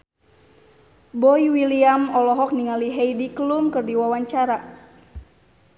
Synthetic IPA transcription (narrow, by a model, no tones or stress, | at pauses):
bɔjwiliamɔlɔɦɔk̚niŋaliɦejdikəlumkɨrdiwawaɲt͡ʃaɾa